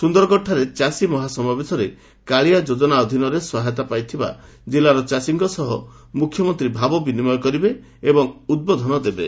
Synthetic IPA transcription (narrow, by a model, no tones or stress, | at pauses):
sund̪ɔɾɔkɔʈʰːaɾet͡ʃasimɔɦasɔmabesɔɾe | kaɭijad͡ʒod͡ʒɔnaɔd̪ʱinɔɾeswaɦet̪apajt̪ʰiba̰ | d͡ʒilaɾɔt͡ʃasiŋɡɔsɔɦɔ | mukʰjɔmɔnt̪ɾibʱabɔbinimɔjɔkɔɾibeː | bɔŋud̪̚bɔd̪ʱɔnɔd̪ebe